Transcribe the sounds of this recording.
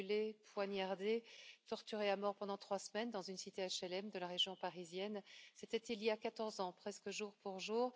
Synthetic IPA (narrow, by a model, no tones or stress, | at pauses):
lepwanjaʁd̪et̪ɔʁt̪yʁeamɔʁpɑ̃d̪ɑ̃t̪χwasmɛnd̪ɑ̃zynsit̪eaʃɛlɛmd̪əlaʁeʒjɔ̃paʁizjɛnsɛt̪ɛt̪iljakat̪ɔʁzɑ̃pχɛskəʒuʁpuʁʒuːʁ